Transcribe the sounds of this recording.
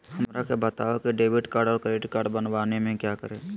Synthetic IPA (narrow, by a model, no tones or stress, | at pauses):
hɐmɾakebət̪aːokiɖeːbɪʈkaːɾɖɔːɾkɾeːʈikaːɾɖbənʋaːnemẽkjakəɾẽː